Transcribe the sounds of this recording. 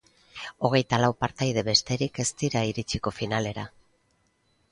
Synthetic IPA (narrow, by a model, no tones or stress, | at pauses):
o̞ɣ̞e̞jt̪alawpaɾt̪ajð̞e̞βe̞st̪e̞ɾike̞st̪iɾaiɾit͡siko̞finale̞ɾa